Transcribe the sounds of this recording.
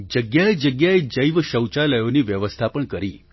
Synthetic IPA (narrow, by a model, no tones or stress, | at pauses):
d͡ʒəɡjaed͡ʒəɡjaed͡ʒəiʋʃəwt͡ʃaləjoniʋjəʋəst̪ʰapəɳkəɾi